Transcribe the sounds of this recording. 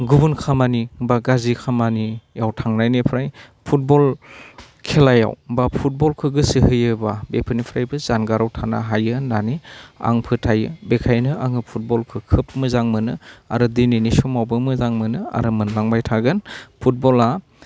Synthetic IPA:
ɡubunkʰamanibaɡazikʰamanijawtʰaŋnajnepʰɾaj | pʰut̚bɔl | kʰelaja̰wbapʰut̚bɔlkʰɯɡɯsɯhɯjɯbabepʰɯnipʰɾajbɯzanɡaɾawtʰana̰ɦajɯnania̰ŋpʰɯtʰajɯbekʰajnɯaŋɯpʰut̚bɔlkʰɯkʰɯp̚mɯzaŋmɯnɯa̰ɾɯdininisɔmawbɯmɯzaŋmɯnɯa̰ɾɯmɯnlaŋbajtʰaɡɯnpʰut̚bɔla

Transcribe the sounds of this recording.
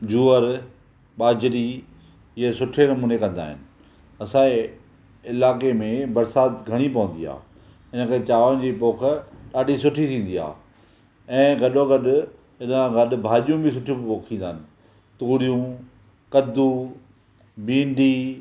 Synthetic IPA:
d͡ʑuːəɾ | ɓaːd͡ʑɾi | esʊʈʰenɐmuːnekɐ̃nd̪a̰ːɦɪnɪ̆ | ɐsãːe | ɪlaːkemẽbɐɾsaːt̪ɡʱɐɽ̃ipɐʋə̃n̆d̪ia̰ː | ɪnə̆kʰet͡ɕaːʋəɽ̃d͡ʑiːpoːk̆ʰɗaːɗʱisʊʈʰit̪ʰĩːn̆d̪ia̰ː | ɛ̃ːɡɐɗoɡɐɗʊ | ɪnəɡɐɗ̆bʱaːʄijũbʱɪsʊʈʰijũoːkʰĩːn̆d̪aːɦɪnɪ̆ | t̪uːɽijũ | kɐd̪u | bĩːɳɖiː

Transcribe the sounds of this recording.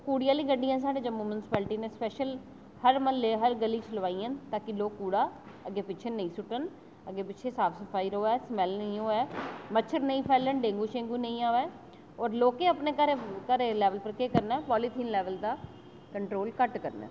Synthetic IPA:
kuːɽijaːliːɡəɖiːɛ̃ːs̬aːɖeːd͡ʒəmːuːmʊnɪsɪ̥pɛːlʈiːneːspɛːʃəl | həɾməlːeːɦəɾɡəliːt͡ʃʰəlʋaːiːə̃nt̪aːkɪloːkːuːɽaː | əɡeːpɪːt͡ʃʰeːnəĩːsʊʈən | əɡeːpɪːt͡ʃʰeːsaːpʰsəpʰaːiɾoːɛːsmɛːlnəĩɦoːɛːmət͡ʃʰəɾnəĩːpʰɛːlənɖẽːŋɡuːʃẽːŋɡuːnə̃ĩːaːʋɛː | ɔːɾloːkeːəpneːkəɾekəɾeːlɛːʋəlpəɾkeːkəɾnɛːpɔːlɪt̪ʰiːnlɛːʋəld̪aː | kəɳʈɾoːlkəʈkəɾnɛ̰ː

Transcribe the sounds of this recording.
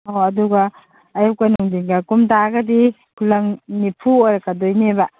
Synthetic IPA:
oɐduɡɐː | jup̚kɐnuŋdiŋɡɐkumtaɡɐdi | kʰulɐŋnipʰuojɾɐkɐdojnebɐ

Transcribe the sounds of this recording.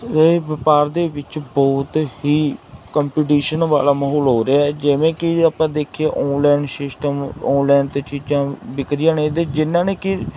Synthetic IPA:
eʋɪpaːɾd̪eːʋɪt͡ʃbɔːt̪hiːkəmpiːʈiːʃənʋa̰ːlaːməɦɔːlɦoːɾeaːɛd͡ʒɪʋẽːkɪapãːd̪eːkʰeːʔɔ̃ːnlɛːnsɪsʈəmɔ̃ːnlɛːnt̪eːt͡ʃiːd͡ʒãːbɪkɾɪjãːnẽːd̪eːd͡ʒɪnːãːneːkɪ

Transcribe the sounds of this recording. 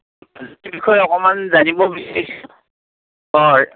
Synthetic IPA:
ztbikʰɔjɔkɔmanzanibɔbisɛs | ɔɹ

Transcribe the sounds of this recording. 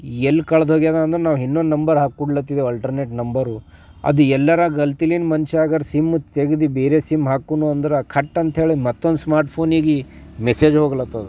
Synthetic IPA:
elːkɐɭɐd̪ɦoːɡijaːd̪aːnd̪ɐɾenaːʋɦinːond̪nɐmbɐɾɦaːkːuɽlɐt̪ːid̪eɐlʈɐɾneːʈnɐmbɐɾu | ɐ̰d̪uɛlːɐɾɐɡɐlt̪ilinmɐnt͡ʃaːɡɐɾsimut̪eɡid̪ibeːɾeːsimɦaːkuːnuɐnd̪ɐɾekʰɐʈːɐnt̪ɦe̞ːɭimɐt̪ːond̪usmaːɾʈpʰoːniɡimeseːd͡ʒɦoːɡɐlɐt̪ːɐd̪u

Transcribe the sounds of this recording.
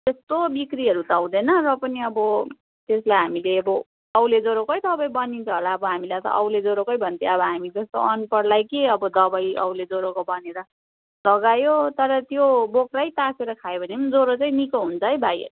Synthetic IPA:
t̪est̪obikriɦʌɾut̪awd̪enʌrʌpʌniʌbʌ | t̪eslajɦamileʌbʌ | ʌwled͡zoɾokʌjd̪ʌbʌjbʌnint͡sʰʌɦolaʌbʌɦamilat̪ʌ̰ʔʌwled͡zoɾokʌjbʱʌnt̪ʰeʌbʌɦamid͡zʌst̪o̰ʔʌnpʌɽlajkeʌbʌd̪ʌbʌjʌ̰wled͡zoɾokobʌneɾʌ | lʌɡajot̪ʌɾʌt̪jobokrajt̪akʰeɾʌkʰajobʱʌnemad͡zoɾot͡saĩnikʌɦunt͡sʰʌɦʌjbʱajʌ̰

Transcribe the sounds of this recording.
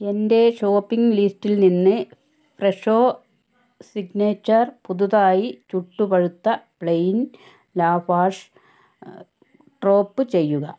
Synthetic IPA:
e̞nde̞ʂo̞ːpːiŋɡliːstːilninːɨ | freʂoː | siɡneːt͡ɕːɐrpuðuðaːjit͡ɕuʈːupɐɻut̪ːɐpɭejn | laːfaːʂ | ʈro̞ːpːɨt͡ɕe̞jːuɣɐ

